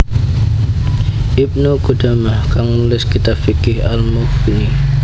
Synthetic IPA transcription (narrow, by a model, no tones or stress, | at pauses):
ʔip̚noɡud̥a̤mahkaŋnulɪskit̪afikɪhalmukini